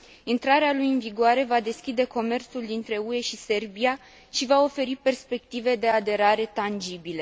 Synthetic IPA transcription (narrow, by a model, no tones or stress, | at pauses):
int̪ɾaɾealujɨnviɡoaɾe̞vad̪e̞skʲid̪e̞ko̞me̞rt̪suld̪int̪ɾe̞ue̞ʃise̞rbia | ʃivao̞fe̞ɾipe̞rspe̞k̚t̪ive̞d̪e̞ad̪e̞ɾaɾe̞t̪and͡ʒibile̞